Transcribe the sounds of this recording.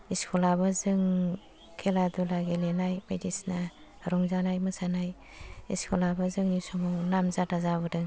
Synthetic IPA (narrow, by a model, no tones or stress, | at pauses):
iskʰulabɯzɯŋ | kʰeladulaɡelenajbajdisna | ɾɔŋzanajmɯsanaj | ḭskʰulabɯzɯŋnusɔmɔŋnamzatazaβɯdɯŋ